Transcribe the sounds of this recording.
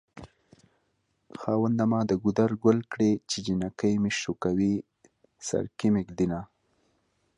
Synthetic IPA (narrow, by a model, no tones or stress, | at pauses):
xɑwand̪amɑd̪əɡud̪aɾɡʊlkɽet͡ʃed͡ʒinakəjmeʃukawi | sa̰ɾkimɪkd̪ina